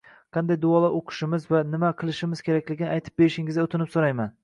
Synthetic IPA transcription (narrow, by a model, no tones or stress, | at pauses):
qʰɑnd̪ajd̪ʊɒlˠaʔoqʰɨ̥ʃɪmɪzvanɪmaqʰɨlˠɪʃɪmɪz̥kʲʰe̞ɾakʲlɪɡʲɪnɪajt̪ʰɪ̥p̚be̞ɾɪʃɪŋɪzaot̪ʰɪnɪpsoɾajman